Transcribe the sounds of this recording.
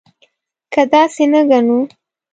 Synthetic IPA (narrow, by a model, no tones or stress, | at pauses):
kəd̪ɑsenəɡanu